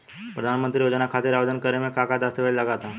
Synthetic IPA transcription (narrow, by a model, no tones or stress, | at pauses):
pɾəd̪ʱanmənt̪ɾiːjod͡zənakʰat̪iːɾaʋd͡zənkəɾemekakad̪ast̪əʋeɭlaɡat̪a